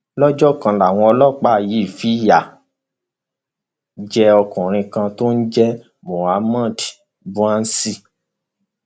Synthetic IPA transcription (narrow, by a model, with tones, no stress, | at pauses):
lɔ˦d͡ʒɔ˦˨kã˧la˨w̃ɔ̃˧ɔ˧lɔ˦˨k͡pa˦˨ji˨˦˨fi˨˦ja˦˨ | d͡ʒɛ˧ɔ˧kũ˨ɾ̃ĩ˧kã˧to˦n̩˦d͡ʒɛ˦ | mo˨a˨˦mã˦˨ti˨ | bũ˦ã˦n̩˦si˦